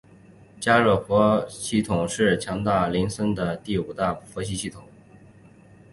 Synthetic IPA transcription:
t͡ɕja˥ɻɤ˥˩fwɔ˧˥ɕi˥˩t̪ʰʊ˨˩ŋʂɻ̩˥˩t͡ɕʰjɑ˧˥ŋt̪a˥˩li˧˥nsə˥nd̪ə˨t̪i˥˩u˨˩t̪a˥˩fwɔ˧˥ɕi˧˥ɕi˥˩t̪ʰʊ˨˩˦ŋ

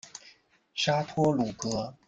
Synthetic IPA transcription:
ʂa˥t̪ʰwɔ˥lu˨˩kɤ˧˥

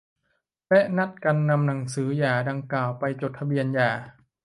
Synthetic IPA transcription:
lɛ˦˥ʔna˦˥t̪̚ka˧nːa˧mna˩˦ŋsɯː˩˦jaː˨˩da˧ŋklaː˨˩wpa˧jt͡ɕo˨˩t̪ʰːa˧bi˧ənjaː˨˩

